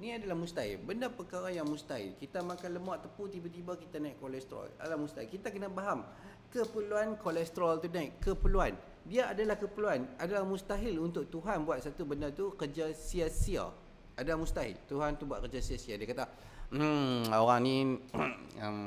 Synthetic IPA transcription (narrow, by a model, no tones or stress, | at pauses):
niadalahmust̪aɪ̰lbəndapəkaɾajaŋmust̪aɦḭlkit̪amakanləmaʔt̪əput̪ibat̪ibakit̪anaiʔkolɛst̪ɾɔ̰la̰alamust̪aikit̪akənabaɦam | kəpəluankolɛst̪əɾɔlt̪unaiʔkəpəluan | diaadalahkəpəluanadalahmust̪aɦɪlunt̪ʊk̚t̪uɦanbuat̪̚sat̪ubəndat̪ukərd͡ʒasiasia̰ | adalahmust̪aɦɪ̰lt̪uɦant̪ubuat̪̚kəd͡ʒasiasiadiakat̪a | oɾaŋni | əm